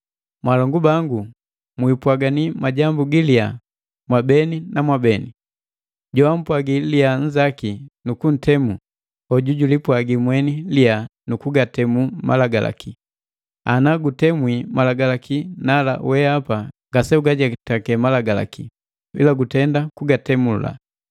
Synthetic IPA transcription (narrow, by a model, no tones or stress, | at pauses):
mwalɔŋɡubaŋɡu | mwipwaɡanimaɟambuɡilia | mwabɛninamwabɛni | ɟɔam̩pwaɡiliaɲ̩d͡ʒakinukun̩tɛmu | hɔɟuɟulipwaɡimwɛnilianukuɡatɛmuma̰laɡala̰ki | anaɡutɛmwimalaɡalakinala̰wɛapaŋɡasɛuɡaɟatakɛmalaɡala̰ki | ḭlaɡutɛndakuɡatɛmula̰